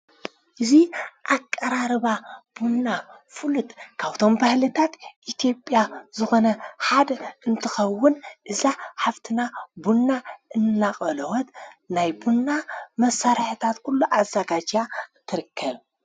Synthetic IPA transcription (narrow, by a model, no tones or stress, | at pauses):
ʔɨziʔakʼːɐɾaɾɨβab̥unːafɨlut̪kʰaβt̪ʰo̞mbahlɨt̪ʰat̪ʔit̪ʰjo̞pʼːjazɨxo̞nɐħad̪ʔɨnt̪ʰɨxɐwːʊnʔɨzaħaft̪ʰɨnabunːaʔɨnːaχʼɐlɐwɔt̪najbunːamɐsːaɾħɨt̪ʰat̪kʰulːuʔazːaɡad͡ʒat̪ʰɨɾɨkʰːɐβ